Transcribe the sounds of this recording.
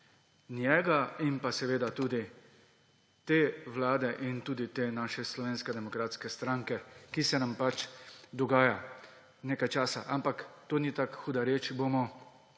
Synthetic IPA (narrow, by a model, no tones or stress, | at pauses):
njɛːɡaimpasɛʋeːd̪at̪uːd̪i | t̪eːwlaːd̪ɛʔint̪uːd̪it̪eːnaːʃɛslɔʋeːnskɛd̪ɛmɔkɾaːt̪skɛst̪ɾaŋkɛkisɛnampat͡ʃd̪ɔɡaːja | neːkajt͡ʃaːsa̰ʔampakt̪oːnit̪aːkxuːd̪aɾeːt͡ʃboːmɔ